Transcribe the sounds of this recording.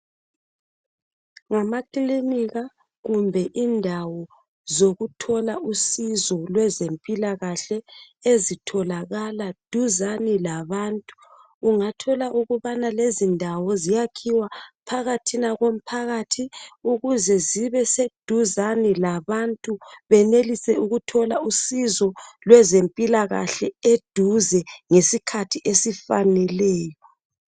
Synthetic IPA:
ŋamakʼiliniɣa | ɣumbʱɛʔindʱawɔ | zoɣutʰɔlaʔusizɔlwɛzempʼilaɣaɬɛezitʰɔlaɣalad̥ʱuzanilaβaːntʼuː | ŋatʰɔlaʔuɣuβanalezindʱawɔzijakʰiwapʰaɣatʰinaɣom̩pʰaɣatʰiuɣuzɛziβɛsed̥ʱuzanilaβantʼuβɛnelisɛuɣutʰɔlausizɔlwɛzempʼilaɣa̰ɬɛed̥ʱuzɛŋesikʰatʰiʔesifanɛlɛːjɔ

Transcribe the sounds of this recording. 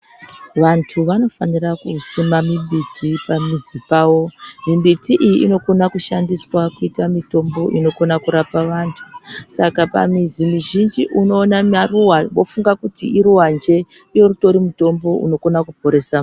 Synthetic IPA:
ʋantʰuʋano̞fanirakusimamimbitʰipamizipaːwo̞mimbitiʔijiʔːno̞ko̞nakuʃandiswakuitamito̞mbo̞ʔino̞ko̞nakuɾapaʋantʰu̥sakapa̰mizimiʒind͡ʒiʔuno̞ːnamaruwaʋo̞fuŋɡakutiiɾuwand͡ʒe̞ | jo̞ruto̞ɾimuto̞mbo̞ʔṵno̞ko̞nakupo̞ɾe̞sa

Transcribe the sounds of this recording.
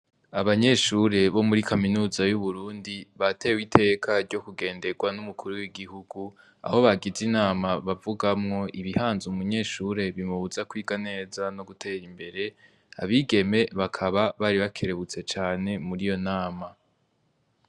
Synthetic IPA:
aβaɲe̞ʃuɾe̞βo̞muɾikʰaminuːzajuβuɾuːndiβate̞ːwitʰe̞ːkʰaɾɟo̞kuɡe̞ːnde̞ɡwanumukʰuɾuwiɡihuɡu | a̰ho̞βaɡizinaːmaβavuɡamŋo̞ʔiβihaːnzumuɲe̞ːʃuɾe̞βimuβuzakwiːɡane̞ːzano̞ɡutʰe̞ːɾimbe̞ɾe̞ | a̰βiːɡe̞me̞βakʰaβaβaːɾiβakʰe̞ɾe̞βut͡se̞t͡ʃaːne̞muɾijo̞naːma

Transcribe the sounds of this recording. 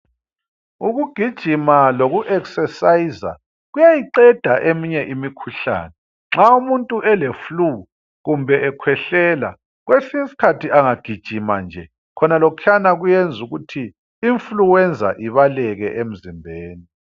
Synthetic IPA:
uɣuɡ̥ʱid̥ʒ̥ʱimaloɣuʔɛksɛsaiza̰ | ɣujajiǃɛd̥ʱaʔemiɲɛʔimikʰuɬa̰ːnɛ | ŋ͡ǁaumuntʼuʔɛleflu | ɣumbʱɛʔɛkʰwɛɬɛːla̰ | ɣwesisi̥kʰatʰiaŋaɡ̥ʱid̥ʒ̥ʱima̰nd͡ʒʱɛ | kʰɔnalokʰanaɣujend͡zʱuɣutʰiː | ɱfluwɛnd͡zʱa̰ʔiβalɛɣɛ̰ʔem̩zimbʱeːni

